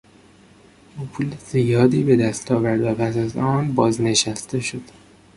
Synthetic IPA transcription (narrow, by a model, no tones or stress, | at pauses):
ʔuːpʰuːlez̥ijɒːd̪iːbe̞d̪æst̪ʰɒːvæɾd̪væpʰæsæzɒːnbɒːzne̞ʃæst̪ʰe̞ʃo̞d̪̥